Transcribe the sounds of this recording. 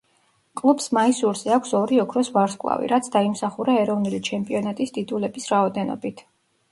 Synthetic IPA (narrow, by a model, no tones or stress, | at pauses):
kʼlˠubsmaisuɾzɛakʷʰsɔɾiɔkʰɾɔsvaɾskʼwlˠa̰vḭɾat̪sʰd̪aimsaχuɾaɛɾɔvnulit͡ʃʰɛmpʼiɔnat̪ʼisd̪id̪ulɛbisɾaɔd̪ɛnɔ̰bit̪ʰ